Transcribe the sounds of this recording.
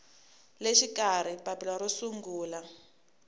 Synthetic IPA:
leʃikaɾ̤ipapilaɾosuŋɡuːla

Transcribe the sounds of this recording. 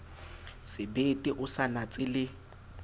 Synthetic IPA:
sɪbetʼɪʔʊsanat͡sʼɪlɪ

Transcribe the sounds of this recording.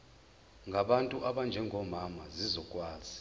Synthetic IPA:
ŋɡʱaɓantʼuʔaɓand͡ʒʱɛŋʱɔmamazizɔkʼwaːzi

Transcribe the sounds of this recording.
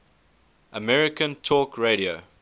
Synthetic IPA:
ʔəmɛɹɪkə̃ntʰɔkɹeɾio

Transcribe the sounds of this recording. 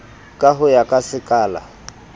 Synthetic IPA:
kʼaɦʊjakʼasɪkʼaːla̰

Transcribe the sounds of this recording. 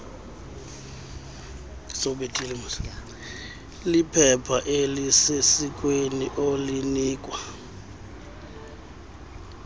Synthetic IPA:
soɓetʼilimus | lipʰɛpʰaʔelisesikʼweniʔoliniːkʼwa

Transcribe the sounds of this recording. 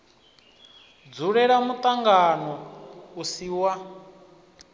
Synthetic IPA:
d͡zuɺɛɺamut̪ʼaŋɡanɔusiwa

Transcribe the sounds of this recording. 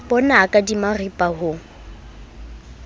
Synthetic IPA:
bɔnakʼadimaripʼaɦʊ

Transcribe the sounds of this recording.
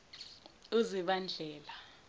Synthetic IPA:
iziɓand͡ɮʱɛːla

